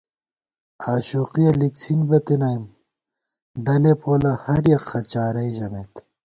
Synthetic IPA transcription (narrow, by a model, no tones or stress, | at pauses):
aːɕuːqiɐliksʰinbɐt̪inajm | ɖɐlepʰoːlɐhɐɾjɐqxɐt͡ɕaːɾɐiʑɐmeːt̪